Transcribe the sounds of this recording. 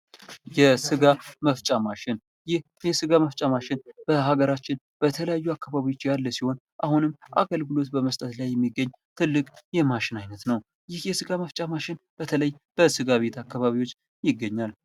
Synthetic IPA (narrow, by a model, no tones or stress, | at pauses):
jɛsɨɡaməft͡ʃʼamaʃɪn | jɪh | jɛsɨɡaməft͡ʃʼamaʃɪnb̥əɦaɡəɾat͡ʃːɪn | b̥ət̪ʰələjajːuakːaβaβiwo̞t͡ʃːjalːəsiho̞n | ʔahunɨmːʔa̰ɡəlɡɨlo̞t̪bəməst̪ʼət̪lajːɛmːiɡːəɲː | t̪ʰɨlːɨkʼjɛmaʃɪnajnət̪nəw | jɪhjɛsɨɡaməft͡ʃʼamaʃɪnb̥ət̪ʰələjb̥əsɨɡaβe̞t̪ʰakːaβaβiwo̞t͡ʃː | jɪɡːəɲːal